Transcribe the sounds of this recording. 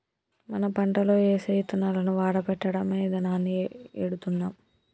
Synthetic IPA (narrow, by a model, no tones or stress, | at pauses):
mɐnɐpɐɳʈɐlo̞ːeːsɐjt̪unːalɐnuʋaːɽɐpɛʈːɐɽɐmeːd̪ɐnaːnːieɽut̪unːaːm